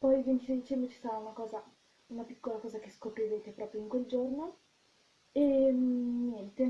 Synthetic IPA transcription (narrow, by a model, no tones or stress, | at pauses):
pɔjvent̪it͡ʃid̪it͡ʃɛmbɾet͡ʃi̥st̪at̪aunakɔːza | unapikːolakɔːzakeskopɾiveːt̪epɾɔːpɾjoiŋkweld͡ʒorno | e | ɲjɛnt̪e